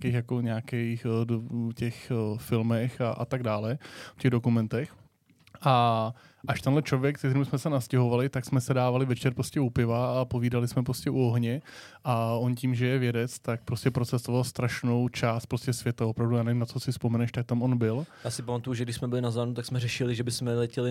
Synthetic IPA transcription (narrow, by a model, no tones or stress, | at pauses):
kejxjakoɲaːkɛjxdcɛxfɪlmɛxaʔa̰t̪aɡ̚daːlɛfcɛɣdo̞kumɛnt̪ɛx | ʔa | ʔaʃt̪ɛnlɛt͡ʃlovjɛkt̪ɛk̪ɛɾimsmɛsɛnascɛɦo̞valɪt̪aksmɛsɛdaːvalɪvɛt͡ʃɛɾpɾoscɛupɪvaapo̞viːdalɪsmɛpɾoscɛʔuoɦɲɛ | ʔao̞nciːmʒɛjɛvjɛdɛt͡st̪ak̚pɾoscɛpɾot͡sɛst̪ovalst̪ɾaʃno̞wt͡ʃaːst̪̚pɾoscɛsvjɛt̪avopɾavdujaːnɛvimnat͡sosɪfspomɛnɛʃt̪ak̚t̪amonbɪljaːsɪpamat̪ujuʒɛɡ̚dɪʃsmɛbɪlɪnazvaːnut̪aksmɛrɛʃɪlɪʒɛbɪsmɛlɛcɛlɪ